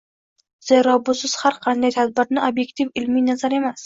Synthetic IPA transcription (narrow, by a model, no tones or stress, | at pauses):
z̥eɾɒbʊsɪz̥haɾqʰɑnd̪ajt̪ʰad̪̚bɪɾnɪʔobje̞kt̪ʰivɪlmijnazaɾe̞mas